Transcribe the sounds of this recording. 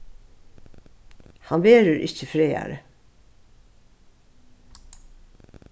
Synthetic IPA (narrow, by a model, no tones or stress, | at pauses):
hɑnbeːɾəɹʔɪçəfɾeːæ̰ɾə